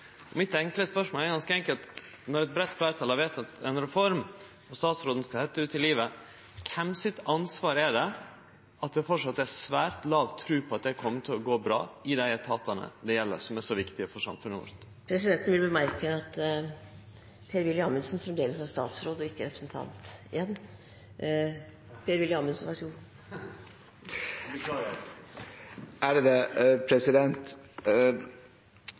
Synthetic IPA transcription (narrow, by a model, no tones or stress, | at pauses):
ɔmɪt̪ɛŋkləspœʂmoːlɛɾɡɑnskəɛŋkəlt̪ | nɔɾɛt̪̚bɾɛt̪ːflæɪt̪ʰɑːlɑʋeːt̪ɑt̪ɛnɾɛfɔɾm | ɔst̪ɑːt̪sɾoːd̪n̩skɑhɛt̪ːəʉːt̪ɪliːʋə | kʰɛmsɪt̪ɑnsʋɑːɾəɛɖɛ | ɑt̪̚d̪ɛfɔʂɑt̪ːæsʋæːɾt̪lɑːʋt̪ʰːɾʉːpʰɔɑt̪̚d̪ɛkʰɔmːət̪ʰɪlɔɡoːbɾɑ̰ːɪd̪æɪt̪ʰɑːt̪ɑnə̰d̪ɛjɛlːə̰ɾsɔmæʂɔʋɪkt̪ɪəfɔɾʂɑ̰mfʉnːəʋɔ̰ɾt̪ | pʰɾɛsɪd̪ɛnt̪nʋɪlbəmæɾkəɑt̪ | pʰeːɾʋɪljɪɑːmənsnfɾɛmd̪eːləsɑst̪ɑ̰ːt̪sɾoːd̪ɔɪkːəɾɛpɾəsnt̪ʰɑ̰nt̪ɪjɛnː | pʰeːɾʋɪljəɑːmənsnʋɑsuː | bəkʰlɑɾ | ʔæɖɛd̪ɛpʰɾɛsɪd̪ɛnt̪